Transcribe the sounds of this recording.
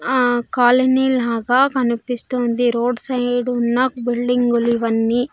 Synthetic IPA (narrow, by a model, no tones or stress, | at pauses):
kaːlɐniːlaːɡaːkɐnipist̪oːnd̪iɾoːɖsɐjɖunːɐbilɖiŋɡuluiʋɐnːiː